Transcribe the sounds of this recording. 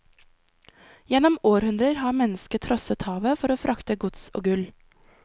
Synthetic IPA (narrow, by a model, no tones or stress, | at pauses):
jɛnɔmoːɾhʉnd̪ɾəɾhɑːmɛnəskət̪ʰɾɔsət̪hɑːʋəfɔɾoːfɾʔɑkt̪əɡʊt̪so̰ːɡʉl